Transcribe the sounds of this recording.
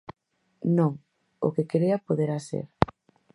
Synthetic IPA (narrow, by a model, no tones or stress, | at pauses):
nõŋ | o̰kekeɾeɐpoðeɾasḛɾ